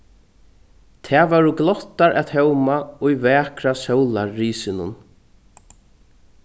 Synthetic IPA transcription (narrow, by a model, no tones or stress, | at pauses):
t̪ʰɛːvaɾʊɡlɔt̪ːaɾʔa̰ðt̪hɛwmaujvɛːkɾasœwlaːiːsɪnʊ̰n